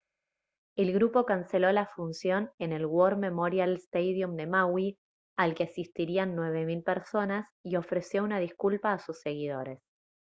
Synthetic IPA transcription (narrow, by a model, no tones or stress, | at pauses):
e̞lɣɾupo̞kanse̞lo̞lafunsjo̞ne̞ne̞lɣwoɾme̞moɾjalst̪ejðjumd̪e̞mawi | alkeasist̪iɾianːwe̞βe̞milpeɾso̞nasio̞fɾe̞sjo̞unaðiskulpaːsusːe̞ɣiðo̞ɾe̞s